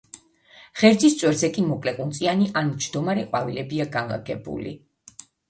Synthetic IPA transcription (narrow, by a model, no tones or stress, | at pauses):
ʁ̥ɛɾd̪zist̪t͡ʃʼwɛɾzɛkʼimɔkʼlɛqʼunt̪sʼianiʔanud͡ʒd̪ɔmaɾɛqʼwavilɛbiaɡanla̰ɡɛbṵlḭ